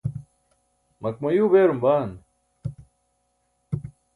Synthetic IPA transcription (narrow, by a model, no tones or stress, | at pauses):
mɐk̚mɐjuːbeːɾumbaːn